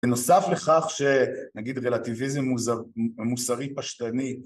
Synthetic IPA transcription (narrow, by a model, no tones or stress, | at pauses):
eno̞safleχaχʃenaɡid̪ʁelativizemzamusaʁipaʃt̪ani